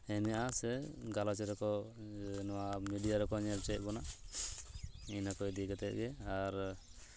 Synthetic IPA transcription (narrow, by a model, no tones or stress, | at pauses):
hɛmɛasɛɡalɔt͡ʃɛɾɔkɔ | nɔwamiɖijaɾɔkɔɲɛlt͡ʃɛt̚bɔna | inakɔjd̪iɡɛt̪ɛʔ̚ɡɛaɾ